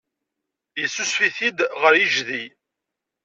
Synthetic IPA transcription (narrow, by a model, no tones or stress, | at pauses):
jəsːusfiθid̪ʁəɾjiʒði